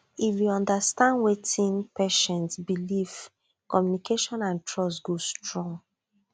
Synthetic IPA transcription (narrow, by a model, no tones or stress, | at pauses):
ifwiɔ̃ndastãndwetĩnpɛʃɛ̃nsbiliv | kɔmjunikʰeʃɔ̃nãntʰɹɔstɡostɹɔ̃ŋ